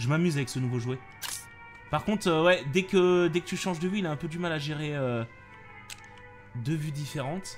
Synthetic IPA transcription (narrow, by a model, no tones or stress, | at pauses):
ʒəmamyzavɛksənuvoʒwɛ | paʁkɔ̃t̪χøwɛd̪ɛkəd̪ɛkət̪yʃɑ̃ʒd̪əvyilaɛ̃pød̪ymalaʒeʁeø | d̪əvyd̪ifeʁɑ̃t̪